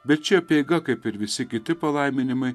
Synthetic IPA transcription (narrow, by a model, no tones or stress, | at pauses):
bʲɛt̪̚t͡ʃʲɛɐpʲeɡɐkɐɪpɪɾʋʲɪsʲɪkʲɪt̪ʲɪpɐlˠɐɪmʲɪnʲɪmɐɪ